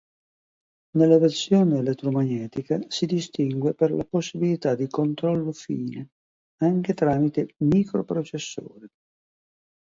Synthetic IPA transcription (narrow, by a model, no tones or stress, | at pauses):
nelːaversjoːneːlet̪ːɾomaɲːɛːt̪ikasid̪ist̪iŋɡweperla̰posːibilit̪ad̪ːikont̪ɾɔlːofiːne | aŋk̟et̪ɾaːmit̪emikɾopɾot͡ʃesːo̰ːɾi